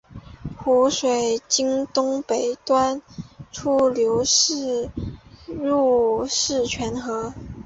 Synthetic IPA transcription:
xu˧˥ʂwe˨˩ɪt͡ɕi˥ŋt̪ʊ˥ŋpe˨˩ɪt̪wa˥nʈ͡ʂʰu˥ljo˧˥ʊʂɻ̩˥˧ | ɻu˥˩ʂɻ̩˥˩t͡ɕʰɥɛ˧˥nxɤ˧˥

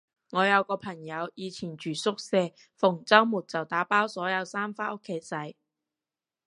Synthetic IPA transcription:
ŋɔː˨˧jɐ˨˧wkɔː˧pʰɐ˨˩ŋjɐ˨˧wjiː˨˧t͡sʰiː˨˩nt͡ʃyː˨˩sʊ˥k̚sɛː˧ | fʊ˨˩ŋt͡sɐ˥wmuː˨˩t̚t͡sɐ˨wt̪aː˨˥paː˥wsɔː˨˥jɐ˨˧wsaː˥mfaː˥ʔʊ˥kʰːe˨˧jt͡sɐ˨˥j

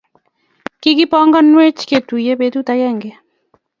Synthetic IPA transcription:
ki˦ki˦pɔ˦ŋɡɔ˦nwe˦t͡ʃke˨t̪u˨je˦be˨˧t̪u˦t̪a˦jɛ˦˨ŋɡe˨

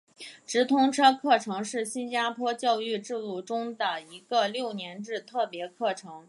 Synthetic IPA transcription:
ʈ͡ʂɻ̩˧˥t̪ʰʊ˧˥ŋʈ͡ʂʰɤ˥kʰɤ˥˩ʈ͡ʂʰɤ˧˥ŋʂɻ̩˥˩ɕi˥nt͡ɕja˥pʰwɔ˥t͡ɕjɑ˥˧ʊy˥˧ʈ͡ʂɻ̩˥˧lu˥˩ʈ͡ʂʊ˥ŋd̪ə˨i˧˥ɡə˧ljo˥˩ʊnjɛ˧˥nʈ͡ʂɻ̩˥˧t̪ʰɤ˥˩pjɛ˧˥kʰɤ˥˩ʈ͡ʂʰɤ˧˥ŋ

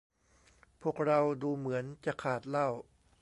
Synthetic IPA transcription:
pʰu˥˩ək̚ɾa˧wduː˧mɯ˩˦ənt͡ɕa˨˩kʰaː˨˩t̪̚la˥˩w

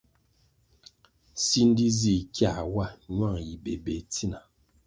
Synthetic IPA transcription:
si˦n̩˦di˦zi˦˨kja˦˨wa˦˨ɲwa˦˨ŋji˨be˨be˨˦ti˦na˨

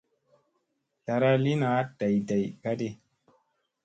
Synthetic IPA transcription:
ta˨ɾa˦li˦na˨˦da˨jda˨jka˦de˦

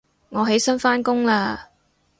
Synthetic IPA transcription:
ŋɔː˨˧ɦe˨˥jsɐ˥nfaː˥nkʊ˥ŋlaː˧

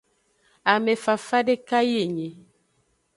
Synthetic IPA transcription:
a˨me˨fa˨fa˦de˦ka˦je˨ɲe˨

